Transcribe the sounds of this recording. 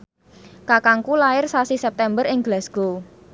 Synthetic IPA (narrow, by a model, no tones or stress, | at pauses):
kakaŋkulaɪrsasisɛp̚t̪ɛmbəɾɪŋɡlɛsɡ̥o